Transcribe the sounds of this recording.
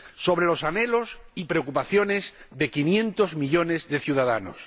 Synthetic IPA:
so̞βɾe̞lo̞sane̞lo̞sipɾe̞okupaθjo̞ne̞zðe̞kinjẽ̞nt̪o̞zmiʎo̞ne̞zðe̞θjuðaða̰no̰s

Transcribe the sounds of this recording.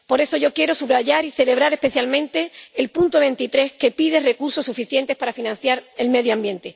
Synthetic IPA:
po̞ɾe̞so̞ʝo̞kje̞ɾo̞suβɾaʝaɾiθe̞le̞β̞ɾaɾe̞spe̞θjalmẽnt̪e̞ːlpunt̪oβe̞nt̪it̪ɾe̞ske̞piðe̞re̞kuɾso̞sːufiθje̞nt̪epaɾafinãnθjaɾe̞lme̞ðjoambjẽ̞nt̪e̞

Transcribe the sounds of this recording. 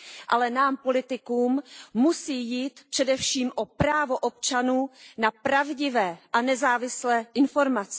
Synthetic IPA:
ʔalɛnaːmpo̞lɪt̪ɪkuːmːusiːjiːt̪pr̥ɛdɛfʃiːmʔo̞pɾaːvo̞ʔop̚t͡ʃanuːnapɾavɟɪvɛːʔanɛzaːvɪslɛːʔɪnfo̞ɾmat͡sɛ̥

